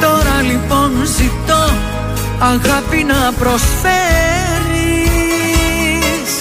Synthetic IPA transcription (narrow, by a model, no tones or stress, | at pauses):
t̪o̞ɾɐlipo̞nzit̪o | ɐɣɐpinɐpɾo̞sfe | ɾi | s